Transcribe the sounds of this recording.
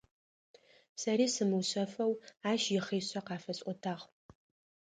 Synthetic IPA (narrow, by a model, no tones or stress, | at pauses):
sɐɾiːsɨmɨwɕɐfɐwaːʃjɪχeːɕɐqɑːfɐɕʼʷɔtʰaːʁ